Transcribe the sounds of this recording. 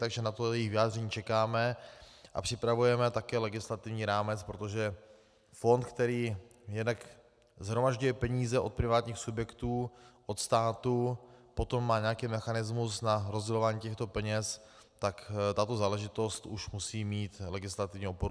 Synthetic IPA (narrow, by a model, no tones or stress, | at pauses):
t̪aɡʒɛnat̪ojɛjɪxvɪaːd̪rɛɲiːt͡ʃɛkaːmɛʔa̰pr̝̥ɪpɾavujɛmɛt̪akɛːlɛɡɪslat̪ɪvɲiːɾaːmɛt͡spɾot̪o̞ʒɛ | fo̞nt̪kt̪ɛɾiːjɛdnak | zɦɾomaʒɟujɛpɛɲiːzɛʔo̞t̪̚pɾɪvaːt̪ɲiːxsubjɛkt̪uːʔot̪st̪aːt̪upo̞t̪o̞mːaːɲɛjakiːmɛxanɪzmusnaɾozɟɛlo̞vaːɲiːcɛxt̪o̞pɛɲɛs | t̪akt̪at̪o̞zaːlɛʒɪt̪o̞st̪ʔuʃmusiːmiːt̪lɛɡɪslat̪ɪvɲɛopoɾu